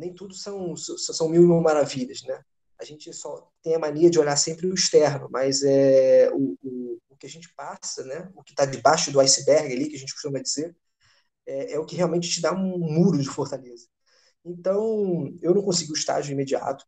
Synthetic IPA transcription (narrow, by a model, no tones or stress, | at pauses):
nẽj̃t̪ud̪ʊsɐ̃w̃sɐ̃w̃sɐ̃w̃sɐ̃w̃miwmiwmaɾaviʎɐsnɛ | ɐʒẽnt͡ʃɪsɔt̪ẽj̃ɐmanejɾɐd͡ʒɪoʎaɾsẽmpɾɪʊiʃt̪ɛɾnʊmɐzɛʊʊː | kɪaʒẽnt͡ʃɪ̥pasɐnɛʊkɪ̥t̪ad̪ɪbaʃʊd̪ʊajsɪbɛɾɡɪalikɪɐʒẽnt͡ʃɪku̥ʃt̪umɐd͡ʒizeɾ | ɛɛʊkɪɦeawmẽt͡ʃɪ̥t͡ʃɪd̪aũmuɾʊd͡ʒɪfoɾt̪alezɐ | ẽnt̪ɐ̃w̃ewnɐ̃w̃kõs̬iɡiʊiʃt̪a̰ʒʊĩmed͡ʒia̰t̪ʊ̥